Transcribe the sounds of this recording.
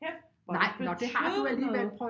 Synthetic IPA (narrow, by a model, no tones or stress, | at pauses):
nɑ̈ɪ̰nɒd̥e̝ɦɑ̈d̥uæliːʋæɐd̥̚pʰɒ